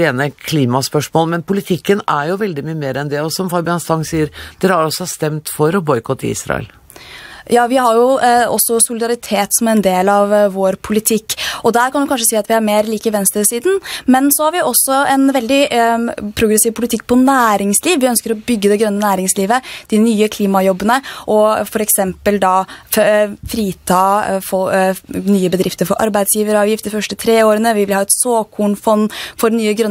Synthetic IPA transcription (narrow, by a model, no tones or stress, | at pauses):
eːnəkʰliːmɑspœʂmoːlmɛnpʊlɪt̪ʰɪkːənæɾjʊʋɛld̪ɪmyːəmeːɾɛnd̪ɛɔsɔmfɑɾbɪɑnst̪ɑŋsiːəɾd̪̥ɛɾhɑɾɔsːɔɑst̪ɛmt̪fɔɾɔbɔʏkʰɔt̪ʰːɪ̰ḭːsɾɑ̰ɛ̰l | jɑːʋɪhɑɾjʊɔsːɔsʊlɪd̪ɑɾɪt̪ʰeːt̪sɔmɛɪnd̪eːlɑʋːoːɾpʰʊlɪt̪ʰɪkːɔd̪æːɾkʰɑnjʊkɑnʂəsiːɑt̪ʋɪhæɾmeːɾliːkəʋɛnst̪ɾəsiːd̪n̩mɛnsɔhɑɾʋɪɔsːɔɛnʋɛld̪ɪ | pʰɾʊɡɾəsiːʋpʰʊlɪt̪ɪkːpʰɔnæːɾɪŋsliːʋʋɪœnskəɾɔbʏɡːəd̪ɛɡɾœnːənæːɾɪŋsliːʋəd̪̥ɪnyːəkʰliːmɑjɔbːənəʔɔfɔɾɛksɛmpəld̪ɑ | fɾiːt̪ʰɑːfɔnyːəbəd̪ɾɪft̪əɾfɔɾʔɑ̰ɾbæɪd̪sjiːʋəɾɑːʋjɪft̪d̪ɪfœʂʈət̪ʰɾeːoːɾənəʋɪʋɪlhɑːɛt̪soːkʰuːɳfɔnːfɔɾnyːəɡɾœ